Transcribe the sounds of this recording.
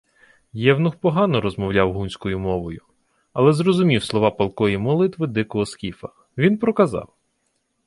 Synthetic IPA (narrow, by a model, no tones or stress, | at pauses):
jɛwnʊxpɔɦɑnɔɾɔzmɔwlʲawɦunʲsʲkɔjʊmɔʋɔjʊ | ɐlˠɛzɾɔzʊmʲiwslˠɔʋɑpɐlˠkɔjimɔlˠɪt̪ʋɪd̪ɪkɔɦɔskʲifɐ | ʋʲinpɾɔkɐzɑ̰w